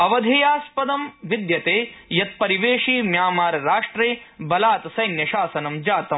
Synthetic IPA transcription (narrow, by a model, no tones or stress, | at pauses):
ɐʋɐd̪ʱijaːspɐd̪ɐmʋid̪jɐt̪eːjɐt̪̚pɐɾiʋeːʂiːmjaːmaːɾɐɾaːʂʈɾeːbɐlaːt̪ɐsɐjnjɐʃaːsɐnɐmd͡ʒaːt̪ɐm